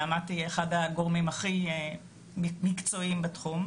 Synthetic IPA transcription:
amatieχadaɡoʁmimaχi | mikt͡so̞imbetχum

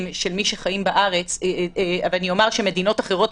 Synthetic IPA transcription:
mʃelmiʃeχajimbaʔaʁet͡savlanio̞maʁʃeme̞d̪inotaχe̞ʁo̞t

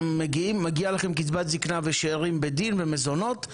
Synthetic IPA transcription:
mːeɡiimːaɡialaχemkit͡sbat̪ziknaveʃeːʁimbed̪invemezono̞t

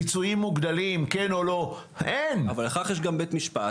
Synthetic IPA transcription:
it͡suimːuɡd̪alimkenolo̞ | enavaleχaχjeʃ̬ɡambet̪miʃpa̰

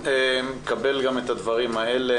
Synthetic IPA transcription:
emkabe̞lɡame̞t̪ad̪vaʁimaele

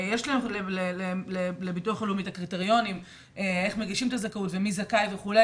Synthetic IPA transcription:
jeʃlaemlelelelelebituaχolomitakʁiteʁjo̞nim | eeχmeɡiʃimet̪azakautvemizakajveχule

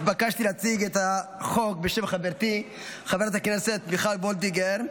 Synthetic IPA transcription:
bakaʃt̪ilat͡siɡet̪aχok̚beʃemχaveɾt̪i | χaveɾat̪akneset̪̚biχlalbold̪iɡeɾ

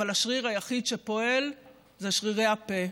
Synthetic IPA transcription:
alaʃʁiʁajaχid̪ʃepo̞e̞l | zeʃʁiʁejape

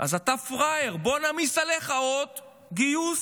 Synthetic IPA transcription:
ʔa̰zat̪afʁajeʁbo̞namisaleχaot̪ | ɡijus

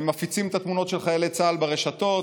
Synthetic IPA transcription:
mafit͡simet̪at̪muno̞t̪ʃelχajelet͡salbeʁeʃat̪o̞

